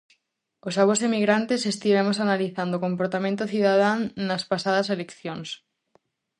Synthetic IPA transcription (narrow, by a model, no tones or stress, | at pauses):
osaβosemiɣɾant̪esest̪iβemosanaliθand̪okompoɾt̪amẽnt̪oθiðað̞annɐspasaðɐselekθjoŋs